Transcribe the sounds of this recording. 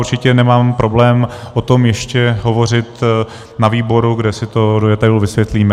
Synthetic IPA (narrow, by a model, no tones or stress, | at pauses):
uɾt͡ʃɪcɛnɛmaːmpɾʔo̞blɛːmʔot̪o̞mjɛʃcɛɦo̞vo̞r̝ɪt̪ | naviːbo̞ɾuɡdɛsɪt̪o̞dojɛt̪ajulvɪsʋjɛt̪liːmɛ